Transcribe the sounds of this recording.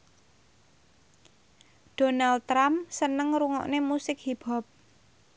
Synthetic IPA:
d̥o̤nal̚ɾamsənəŋɾuŋɔ̰ʔnemusɪkhib̥ɔ̤p̚

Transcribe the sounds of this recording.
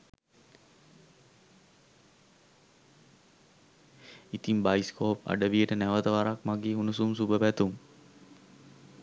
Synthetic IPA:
it̪imbajskʰoːpa̰ɖəʋijəʈənæʋət̪əʋaɾakmaɡeːunusumsubəbæt̪um

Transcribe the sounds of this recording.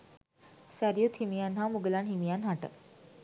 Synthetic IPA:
saɾjot̪ʰimijanɦawmuɡlanɦimijanɦaʈə̰k

